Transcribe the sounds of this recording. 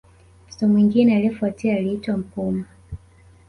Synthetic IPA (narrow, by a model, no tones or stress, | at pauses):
tɔmwiŋɡinɛaliɛfuatiaːliitwam̩puma